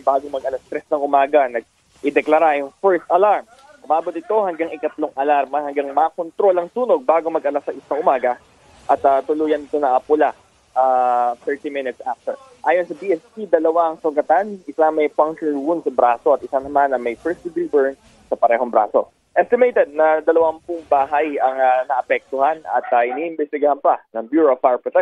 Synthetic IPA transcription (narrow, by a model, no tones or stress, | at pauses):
baːɡomɐɡ̚ʔɐlast̪ɾɛsnɐŋʔʊmaːɡɐnɐɡ̚ | ʔɪd̪ɛklɐɾajʊŋfɛɹst̪ɐlaɹm | ʔʊmaːbot̪̚ɪt̪o̞ɦɐŋɡaŋɪkɐt̪loŋʔɐlaɾmɐhɐŋɡaŋmɐkont̪ɾo̞lɐŋsuːno̞ɡ̚baːɡomɐɡʔɐlasɐʔɪsnɐŋʔʊmaːɡɐ | ʔɐt̪ɐt̪ʊluːjɐnɪt̪o̞nɐʔɐpʊla | ʔaːt̪ɛɹt̪imɪnɪt̪sʔaft̪ɛɹ | ʔaːjonsɐbiʔɛspid̪ɐlɐwaɐŋsʊɡɐt̪anʔɪsaŋmɐjpaŋʃɛlwunsɐbɾaːso̞ɐt̪̚ɪsanɐmanːɐŋmɐjpɛɹsd̪ɪɡɾiːbɛɹn | sɐpɐɾɛːɦo̞ŋbɾa̰ːso̞̰ | ʔɛst̪ɪmejt̪ɛd̪̚nɐd̪ɐlɐwɐmpʊŋbaːɦɐjɐŋɐnɐʔɐpɛk̚t̪ʊhanɐ̰t̪ɐhɪniʔɪnbɛst̪ɪɡɐhanpɐnɐŋbjuːɹofaɹpɹɔt̪ɛ